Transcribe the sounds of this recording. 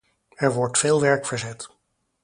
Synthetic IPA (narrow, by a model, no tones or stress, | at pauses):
ɛɹʋɔɹtfɪːlˠʋɛɹkfəɹzɛt